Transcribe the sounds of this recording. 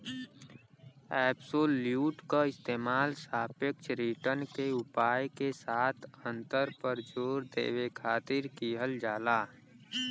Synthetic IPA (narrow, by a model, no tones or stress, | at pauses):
ɛːbsoːlːjuːʈkaɪst̪eːmaːlsaːpekt͡ʃʰɾiːʈəɾnkeʊpaːjkesaːt̪ʰə̃nt̪əɾpəɾd͡ʒoːɾd̪ḛːʋekʰaːt̪ɪɾkiːɦəld͡ʒaːlaː